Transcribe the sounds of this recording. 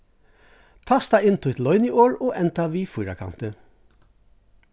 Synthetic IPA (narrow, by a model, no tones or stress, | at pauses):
t̪ʰɑːst̪ɑɪnt̪ʰʊɪt̪lɔʏniʔoːɹoːʔɛnt̪ɑʋiːfʊjɾakʰɑ̰nt̪ə